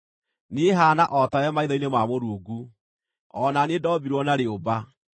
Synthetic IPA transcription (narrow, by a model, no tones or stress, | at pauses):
nieɦanaʔɔtawɛmaiðɔinemamoɾuːɡu | ɔnanedɔbiɾwɔnaɾeoba